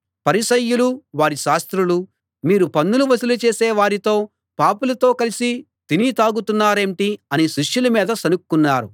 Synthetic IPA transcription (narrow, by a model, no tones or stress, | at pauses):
pɐɾisɐjːuluʋaːɾiʃaːst̪ɾulu | miːɾupɐnːuluʋɐsulut͡ʃeːsɛːʋaːɾit̪o̞ː | paːpulɐt̪o̞ːkɐlisi | t̪init̪aːɡut̪unːaːɾe̞ːɳʈiɐniʃiʂjulɐmiːd̪ɐsɐnukːunːaːɾṵ